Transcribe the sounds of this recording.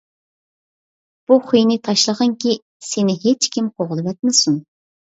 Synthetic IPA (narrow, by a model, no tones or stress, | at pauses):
b̥uχujnɪt̪ʰɑʃlˠəʁəŋkʲi | senɪɦet͡ʃkʲimqʰoʁlˠɨvɛt̪̚mɪsun